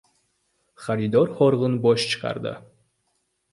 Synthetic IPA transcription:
χaɾid̪ɔɾhɔɾʁɨnbɒʃt͡ʃʰɨ̥qʰa̰ɾd̪ə̰

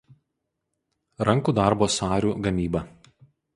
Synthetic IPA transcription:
ɾɐŋkuːd̪ɑˑɾboːsɑːɾʲuːɡɐmʲiːbɐ

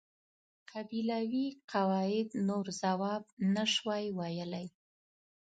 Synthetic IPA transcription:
qʰabilawiqʰawɑɪd̪noɾzawɑbnaʃwɑjwajəlaj

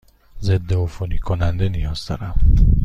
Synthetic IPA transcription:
zed̪ːeofonikʰonænd̪e̞nijɒːz̥d̪ɒ̰ːɾæm

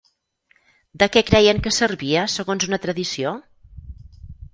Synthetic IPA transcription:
d̪əkɛkɾɛjəŋkəsərβiəsəɣonzunət̪ɾəðisio

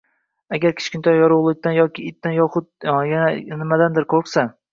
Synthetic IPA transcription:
aɡʲaɾkʲʰɪ̥t͡ʃkʲɪnt̪ʰɒjjɒɾʊwlˠɪk̚ʲt̪anjɒkʲʰɪɪt̪ːanjɒχʊt̪̚jananɪmad̪and̪ɪɾkʰoqsa

